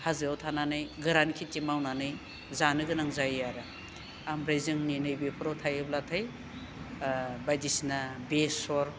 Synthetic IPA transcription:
hazɯawtʰananɯjɡɯɾankʰitimawnanɯj | zanɯɡɯnaŋzajaɾa | amɾajzɯŋninɯjbepʰɯɾawtʰajɯblatʰɯj | bajdisnabesɔɾ

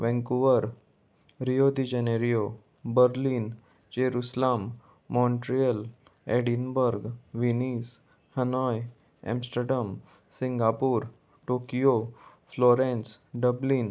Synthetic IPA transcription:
ʋɛ̃ŋkuʋəɾ | ɾijod̪id͡ʑəneɾijo | bəɾlin | d͡ʑeɾuslamː | ɔ̃ɳʈɾijəl | eɽinbəɾɡʋinis | hənɔj | ɛ̰̃msʈəɾɖəm | siŋɡapuːɾ | ʈokijo | flɔɾẽnsɖəblin

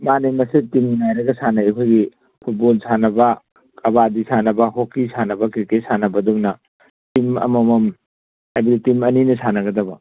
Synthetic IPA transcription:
manemɐsitimnajɾɐɡɐsanɐɐkʰojɡi | pʰut̚bolsanɐbɐ | kʰɐbadisanɐbɐhokːisanɐbɐkikesanɐbɐduŋnɐ | timɐ̰mɐmɐm | ajbɐditimɐninɐsʰanɐɡɐdɐbɐ

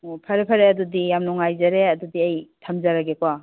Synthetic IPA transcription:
pʰaɾepʰaɾeadudijamnɔŋajzaɾeɐdudiɐjtʰamzaɾaɡekwa

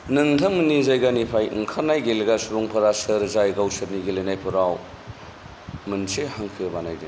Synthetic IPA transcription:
nɯŋtʰɐmɯnizajɡanipʰajɯ̰ŋkʰanajɡeleɡasuɾuŋpʰɐɾasɐɾzajɡawsɐɾniɡelenajpʰɯɾaw | mɯnsehaŋkʰɯbanajde

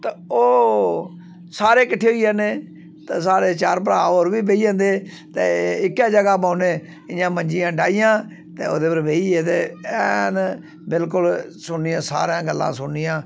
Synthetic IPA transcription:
t̪ːoː | saːɾeːkəʈʰːeːɦoiaːneː | t̪eːs̬aːɾeːt͡ʃaːɾp̬əɾãːoɾʋiːbeːiːãːnd̪eː | t̪ḛːɪkːjaːd͡ʒəɡaːpaːneː | ɪjãːməɲd͡ʒɪjãːɖaːɪjãː | t̪eːo̰ːd̪eːpəɾʋeːiːeːt̪̬eːɛn | bɪlkʊlsʊnːɪːãːsa̰ːɾãːɡəlːã̰ːsʊnːɪjãː

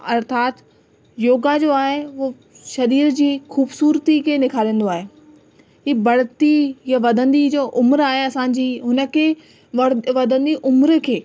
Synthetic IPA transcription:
ɐɾt̪ʰaːt̪ | joːɡad͡ʑoːaːɦeʋo | ʃɐɾiːɾd͡ʑiːxuːbsuːɾt̪ikʰeːnɪkʰaːɾĩə̃ːn̆d̪oaːɦeː | ɦiːbɐɽt̪ijaʋɐd̪ʱə̃nd̪id͡ʑoːʔʊmɾaːɦeɐsãːɲ̆d͡ʑiːɦʊnə̆kʰeː | ʋɐd̪ʱə̃nd̪iʔʊmɾkʰeː

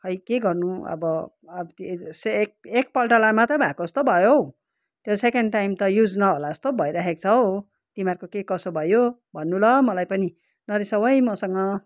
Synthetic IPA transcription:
hʌjkeɡʌrnuʌ̰bʌ | sek̚ek̚pʌlʈʌlamat̪ʌbʱakost̪obʱʌjo | t̪jesekeɳɖʈajmt̪ʌjud͡znʌɦolaʌst̪obʱʌjɾaɦek̚t͡sʰʌw | t̪imarkokekʌsobʱʌjobʱʌnːulʌmʌlajpʌni | nʌɾisʌbʌjmʌsʌŋʌ

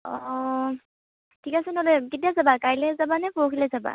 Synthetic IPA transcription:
ɔ | tʰikasɛnɔlekitijazabakajlɛzabanɛpowkʰilɛzaba̰

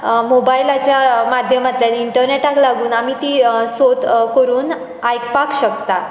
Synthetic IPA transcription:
mobailat͡ɕjamad̪ʱjəmat̪janiɳʈəɾneʈaklaɡuːnamiːt̪iːsot̪kəɾuːn | ajkpakɕəkt̪a

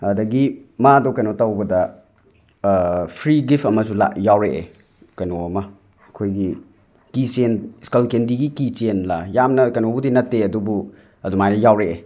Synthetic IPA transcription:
adɐɡimadɔkɐjnotɐwbɐdɐ | pʰɾiɡipʰɐmɐsula̰jawɾeʔḛ | kɐjnoɐmɐ | kʰojɡi | kisenskalkendiɡikit͡ʃenlajamnɐkɐnobudinɐtːeɐdubu | ɐdumajnɐjawɾee

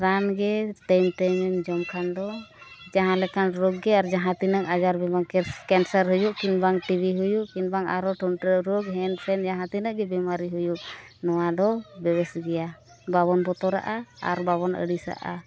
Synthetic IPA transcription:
ɾanɡɛʈajmʈajmɛmd͡ʒɔmkʰand̪ɔd͡ʒaɦãlɛkanɾoɡːɛaɾd͡ʒaɦãt̪inəŋad͡ʒaɾbɛbaŋkɛkɛnsəɾɦujuʔkinbaŋʈibiɦujuʔkinbaŋa̰ɾɔʈunʈəɾoɡɦɛnpʰɛnd͡ʒaɦãt̪inəʔɡɛbɛmaɾiɦujuʔnɔwad̪ɔbɛbɛsɡɛja | baβɔnbɔt̪ɔɾa̰ʔaa̰ɾbaβɔnə̰ɽisa̰ʔa̰

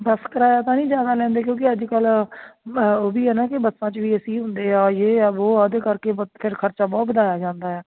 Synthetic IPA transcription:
bəskəɾaːjaːt̪ãːnĩːd͡ʒjaːd̪aːlɛ̃ːnd̪eːk̬jõːkɪəd͡ʒkəl | oːbiːɦɛːnãːkɪbəsːãːt͡ʃʋiːəsĩːɦʊ̃nd̪eːaːjeːboːad̪ekəɾkeːpʰɪɾkʰəɾt͡ʃaːbɔːt̪bəd̪aːjaːd͡ʒãːnd̪aːɦɛː

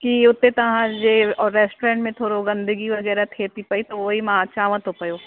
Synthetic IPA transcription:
kiʊt̪ːẽt̪ɐɦãd͡ʒeɔːɾːɛːsʈɾẽːɳʈmẽt̪ʰoːɾoɡɐ̃nd̪əɡiʋɐɡɛːɾat̪ʰeːt̪ipɐit̪oʋoːɦimãət͡ʃaːʋə̃t̪ɦopɐjoː

